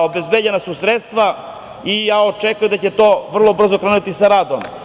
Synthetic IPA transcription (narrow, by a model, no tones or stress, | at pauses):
obezbed͡ʑenasusɾet̪st̪ʋa | ijaːot͡ʃekajud̪at͡ɕet̪oːʋr̩lˠo̞br̩zokɾanuit̪isaɾaːd̪om